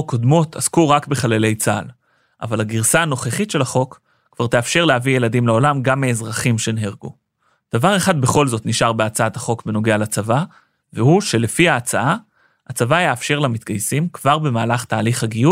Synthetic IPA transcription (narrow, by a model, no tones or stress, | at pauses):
kod̪mo̞t̪ʰaskuʁakbeχalele̞jt͡sa̰l | ʔa̰valhaɡiʁsaano̞χeχitʃe̞lhaχo̞kː | v̥aʁt̪e̞afʃe̞ʁleavije̞ladimleo̞lamɡamːeːzʁaχimʃenɦeʁɡu | d̪̥avaʁeχad̪be̞χo̞lzo̞t̪niʃaʁbeat͡saat̪aχo̞kbeno̞ɡealat͡sava | vehuʃe̞lefiaːt͡saa | at͡savajeːfʃe̞ʁlamit̪ɡajsimkvaʁbe̞maːlaχt̪aːliχhaɡiju